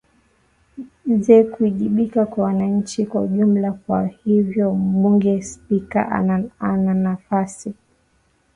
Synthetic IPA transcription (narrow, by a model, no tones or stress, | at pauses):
zɛkuiʄiɓikakwawanaɲ̩t͡ʃikwauʄum̩lakwahivjɔm̩ɓuŋɡɛspika̰ʔananafasi